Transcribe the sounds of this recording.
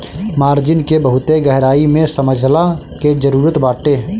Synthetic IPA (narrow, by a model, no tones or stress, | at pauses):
maːɾd͡ʒɪnkebəɦʊt̪eɡəɦɾaːimẽsəməd͡ʒʱla | ked͡ʒəɾuːɾət̪baːʈeː